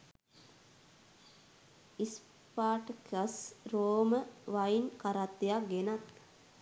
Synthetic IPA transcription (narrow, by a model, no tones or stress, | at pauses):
is | paːʈkasroːməʋainkaɾat̪ːejak̚ɡenat̪